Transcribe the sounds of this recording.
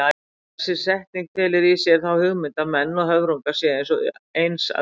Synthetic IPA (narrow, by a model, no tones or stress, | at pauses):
a | sɪsɛht̪niŋk̚t̪ʰɛːlɪɾisjɛɾ̥θawhʏɣmɪnt̪aðmɛnːɔɦœvɾuŋkḁsjɛejnsɔejnsa̰